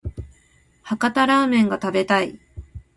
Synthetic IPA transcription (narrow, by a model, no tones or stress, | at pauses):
hakat̪aɾaːmẽ̞ŋɡat̪abe̞t̪ai